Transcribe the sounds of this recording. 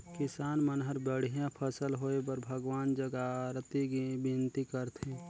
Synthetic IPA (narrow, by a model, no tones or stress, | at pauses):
kɪsaːnmənɦəɾbəɽ̤ijãpʰəsəlɦoːepəɾbʱəɡwaːnd͡ʒəɡaɾt̪ibɪnt̪ikəɾt̪ʰẽ